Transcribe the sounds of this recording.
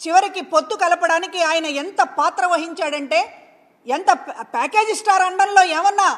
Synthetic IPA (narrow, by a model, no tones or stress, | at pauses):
t͡ʃiʋɐɾikipot̪ːukɐlɐpɐɽaːnikiaːjɐnɐent̪ɐpaːt̪ɾɐʋɐɦiɲt͡ʃaːɽɐɳʈe̞ː | ent̪ɐpaːke̞ːd͡ʒisʈaːɾɐɳɖɐnlo̞ːeːmɐnːaː